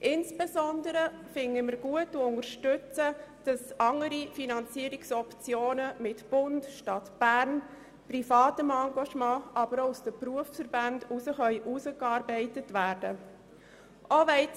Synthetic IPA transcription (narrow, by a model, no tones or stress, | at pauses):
ʔɪnsb̥esɔndəɾəfɪŋəməɾɡ̥uətːuʊŋəɾʃtʏt͡səd̥ɑsʔɑŋəɾifinɑnt͡siəɾiksɔpt͡sjoːnəmɪtb̥ʊntʃtɑtb̥æɾn | prifɑːtəmɑŋɡɑʃmɑ̃ːʔɑbəɾousd̥əpɾuəffəɾbɑndusəχœʏʔusəkɑːɾbɛɪtətvæːɾd̥ə | ʔovɛɪ